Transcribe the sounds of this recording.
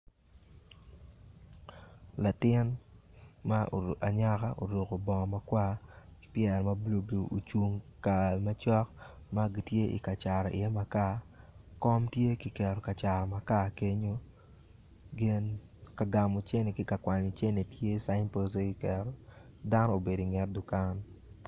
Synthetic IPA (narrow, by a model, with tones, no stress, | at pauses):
la˨tɪ˦n | ma˦˨a˨ɲa˦ka˦ʔo̰˨ɾo˨ko˨bɔ˨ŋ˨ma˦kwḁ˦pjɛ˨ɾmɐ˦blo˨blo˨ʔo˨t͡ʃu˨ŋka˨mɐ˦t͡ʃɔ˦k | ma˦ɡi˨tje˦ʔḭ˨ka˨t͡ʃa˨ɾɔ˨ʔɪ̰˨ɛ˦ma˨ka˦kɔ˦mtje˦kɪ˨kɛ˨ɾɔ˨ka˨t͡ʃa˨ɾɔ˨ma˨ka˦ke˦ɲo˦ | ɡɪ˦nka˨ɡa˨mɔ˨t͡ʃe˦ne˨kɪ˦ka˨kwa˨ɲo˨t͡ʃe˦ne˨tje˦sa˦ɪ˦npo˦se˦ki˨˦kɛ˨ɾɔ˨da˦nɔ˦o˨be˨di˨ŋɛ˦t̚dʊ˨ka˦n